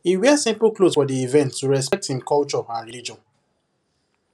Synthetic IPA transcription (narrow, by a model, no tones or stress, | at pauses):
iwɛsĩmpl̩klosfɔdiivɛ̃ntʰːuɹɛspɛk̚thĩmkɔlt͡ʃɔãnɹilid͡ʒɔ̃n